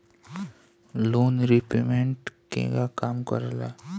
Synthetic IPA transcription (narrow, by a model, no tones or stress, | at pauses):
loːnɾipemeɳʈkḛ̃ɡakaːmkə̰ɾla̰ː